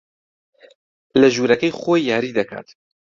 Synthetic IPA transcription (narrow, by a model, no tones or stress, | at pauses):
lɐʒuːɾɐkɛjxoːjjaːɾiːd̪ɐkʰa̰ːt̪